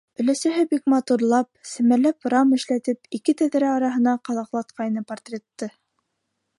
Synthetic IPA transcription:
ɵ̆læsæɦɘbikmɑt̪uɾlˠɑp̚sɘ̆mælæprɑmɘ̆ʃlæt̪ɘpikɘt̪æðɾæɑɾɑɦɤ̆nɑqɑðɑqlˠɑt̪̚qɑjnɤpɑɾt̪rʲet̪ːɤ

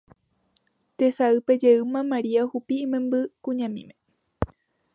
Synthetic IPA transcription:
t̪e̞saɨpe̞d͡ʒe̞ɨmãmaɾiahupiɨmẽmbɨkũɲãmḭ̃mẽ

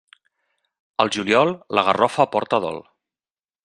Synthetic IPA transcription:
əlˠʒuljɔlˠləɣərɔfəːpɔɾt̪əðɔ̰lˠ

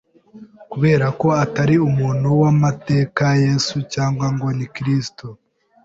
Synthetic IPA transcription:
kuβe̞ːɾako̞ataɾiumuːn̥huwamate̞ːkajesucaːŋɡwaŋɡwo̞nikɾisto

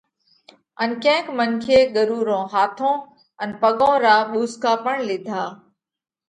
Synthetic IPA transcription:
ənkɛ̃ːkmənkʰeːɠəɾuːɾõːɦaːt̪ʰõː | ənpəɠõːɾaːɓuːskaːpəɳlɪd̪ʱaː

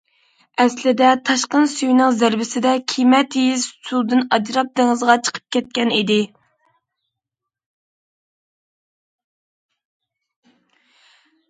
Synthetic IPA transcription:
ɛslɪd̪ɛt̪ʰɑʃqənsyjnɨŋzæɾbɪsɪd̪ɛkʲʰijmɛt̪ijizsʰud̪ɨnɑd͡ʒɾɑp̚d̪ɪŋɨzʁɑt͡ʃʰə̥qʰə̥p̚kʲʰɛt̪̚kʲɛnid̪ɪ

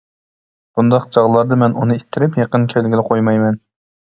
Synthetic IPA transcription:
b̥und̪ɑqd͡ʒɑʁlˠɑɾd̪ɑmɛnunɨit̪ʰːɪɾɪpjeqənkʲʰɛlɡʲilɪqʰojmɑjmɛn

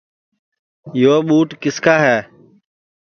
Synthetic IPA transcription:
joːɓuːʈkɪskaːɦɛː

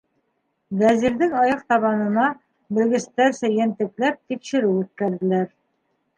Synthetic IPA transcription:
d̪æziɾd̪ɘŋɑjɑqt̪ɑβɑnɤ̆nɑ | bɘ̆lɡɘ̆st̪æɾsæjænt̪ɘ̆klæp̚t̪ikɕɘ̆ɾɘwʉt̪̚kæɾd̪ɘ̆læɾ

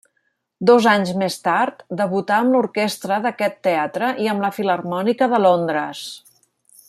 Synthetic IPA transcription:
d̪ɔzaɲzmest̪aɾt̪d̪əβut̪aəmluɾkest̪ɾəðəkɛt̪ːeat̪ɾəʔiəmləfilərmɔnikəðəlond̪ɾəs

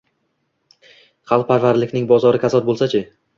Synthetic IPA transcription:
χʰɑlˠq̚pʰaɾvaɾlɪkʲnɪŋbɒzɒɾɪkʲʰasɒt̪̚bolˠsat͡ʃʰɪ

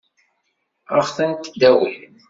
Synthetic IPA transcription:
əχθənt̪d̪æwəl

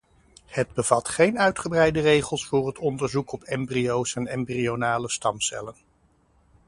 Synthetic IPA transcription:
həd̚bəv̥ɑtχejnœɥtχəbrɛjdərejχəlˠsfʊːrɦətɔndəɹzukɔpɛmbriowsɛnɛmbrionaːləstɑmsɛ̰lən

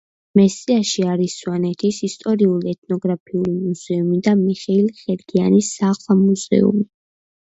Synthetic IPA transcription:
mɛsiaʃiaɾisːwanɛt̪ʰisist̪ʼɔɾiuliɛt̪̚ʰnɔɡɾapʰiulimuz̥ɛumid̪amiχɛilχɛɾɡianisːaʁlˠamuzɛ̰ṵmi

